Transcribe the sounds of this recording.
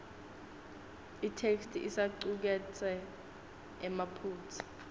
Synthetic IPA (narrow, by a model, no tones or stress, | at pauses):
itʰekstʰiʔisaǀuk̬ɛt͡sʰʼɛ | ɛmapʰuːt͡sʰi̥